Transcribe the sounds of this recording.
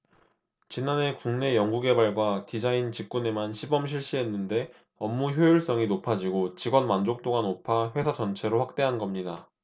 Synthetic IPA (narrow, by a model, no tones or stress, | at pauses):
t͡ɕinːane̞kuŋne̞jʌŋɡuɡe̞baɭɡwatid͡ʑaint͡ɕik̚k͈une̞manɕʰibʌmɕʰiɭɕ͈iɦe̞nːɯnde̞ | ʌmːuçjojuɭs͈ʌŋinopʰad͡ʑiɡot͡ɕiɡwʌnmand͡ʑok̚t͈oɡanopʰaɸwe̞sʰad͡ʑʌnt͡ɕʰe̞ɾoɸwak̚t͈e̞ɦanɡʌmɲida